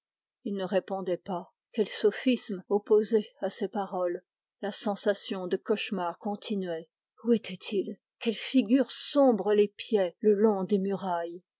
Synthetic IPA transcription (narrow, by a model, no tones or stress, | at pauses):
ilnəʁepɔ̃d̪ɛpa | kʲɛlsofismopozɛasepaʁɔl | lasɑ̃sasjɔ̃d̪əkɔʃmaʁkɔ̃t̪ʰinɥɛ | uɛt̪ʰɛt̪ʰil | kʲɛlfiɡʲyʁsɔ̃bʁəlepjɛləlɔ̃d̪emyʁaj